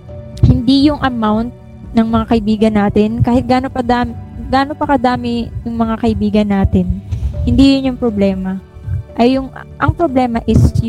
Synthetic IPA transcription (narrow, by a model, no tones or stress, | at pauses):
hɪnd̪ijʊŋʔɐmawnt̪̚ | nɐŋmɐŋakɐʔɪbiːɡɐnːaːt̪ɪnkaːhɪt̪̚ɡaːnopɐd̪aːmɡaːno̞pɐkɐd̪aːmɪjʊŋmɐŋakɐʔɪbiːɡɐnːaːt̪ɪnhɪnd̪ijʊnjʊŋpɾoblɛːmɐ | ʔɐjːʊŋ | ʔɐŋpɾoblɛːmɐʔɪs